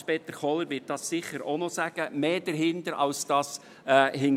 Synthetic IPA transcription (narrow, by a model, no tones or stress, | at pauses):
pɛt̪əɾχɔlːəɾʋɪt̚d̥ɑsːɪχəɾo̰nɔsæɡ̥əmeːd̥əɾɦɪndəɾɑ̰lsd̥ɑːs | ɛːhɪŋ